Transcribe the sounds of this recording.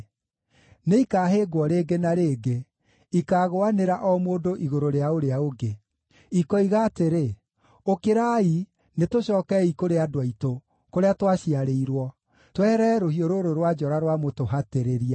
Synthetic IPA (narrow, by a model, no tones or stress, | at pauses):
neikaːɦeːɡwɔɾeːɡenaɾeːɡe | ikaːɣoaneɾaʔɔmoːdoʔiɣoɾoɾeaoɾeaoɡe | ikɔiɣaːteɾe | okeɾai | netoɕɔːkɛikoɾeadwaito | koɾeatwaɕiaɾeiɾwɔ | twɛɾɛɾohioɾoɾoɾwad͡ʒɔɾaɾwamotoɦateɾeɾia